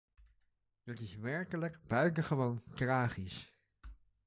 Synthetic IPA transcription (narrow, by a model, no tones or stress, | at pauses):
d̥ɑtɪsʋɛɹkələkbœɥtəχəʋowntraːχis